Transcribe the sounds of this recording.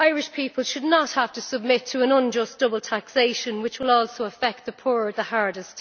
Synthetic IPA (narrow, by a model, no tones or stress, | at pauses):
aɪɹɪʃpʰiˑpəlˠʃədⁿnət̚haftʰəsəb̚mɪtʰəə̃nʌ̃nd͡ʒʌsd̥ʊbəl̩ˠtʰakseɪʃə̃nwɪt͡ʃwɪlɔːˑlˠsoʊəfɛk̚t̪̚ðəpʰuːɹəðəhaɹdɪst